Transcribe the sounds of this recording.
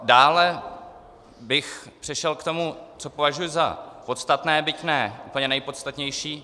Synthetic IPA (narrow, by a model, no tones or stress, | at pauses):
daːlɛ | bɪxpr̝̥ɪʃɛlkt̪o̞mut͡so̞po̞vaʒujʊzapo̞t̪st̪at̪nɛːbɪcnɛʔuːpl̩ɲɛnɛjpo̞t̪st̪at̪ɲɛjʃiː